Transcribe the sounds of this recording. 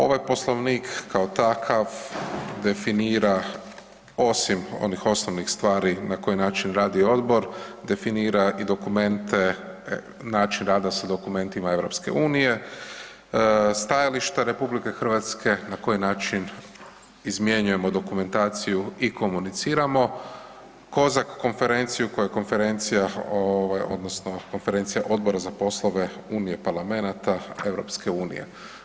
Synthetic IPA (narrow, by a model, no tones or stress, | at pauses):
o̞̰ʋajpo̞slˠoʋniːkːaot̪akʰaʋd̪e̞finiːɾa | o̞simo̞̰nixo̞snoʋnixst̪ʋaːɾinako̞jinaːt͡ʃinɾaːd̪io̞d̪bo̞ɾd̪e̞finiːɾaid̪o̞kume̞nt̪e | naːt͡ʃinɾaːd̪asad̪o̞kume̞nt̪imae̞ʋɾo̞pske̞̰uːnije̞ | st̪ajaliʃt̪aɾe̞publike̞xr̩ʋat̪ske̞nako̞jinaːt͡ʃin | izmje̞ɲuje̞mo̞d̪o̞kume̞nt̪aːt̪sijuiko̞munit̪siːɾamo̞ | ko̞zakːo̞nfe̞ɾe̞nt̪sijuko̞jako̞nfe̞ɾe̞nt̪sijaoʋajo̞̰d̪nosnoko̞nfeɾe̞nt̪sijaʔo̞d̪̚bo̞ɾazapo̞slˠo̞ʋe̞ | uːnijepaɾlame̞nat̪ae̞ʋɾo̞̰pske̞uːnḭje̞̰